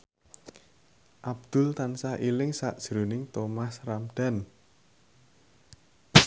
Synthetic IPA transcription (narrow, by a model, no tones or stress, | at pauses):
ʔab̚d̪̥ʊ̤lt̪ansahilɪŋsaʔd̥ʒ̥ɾonɪŋt̪omasramd̪̥a̤n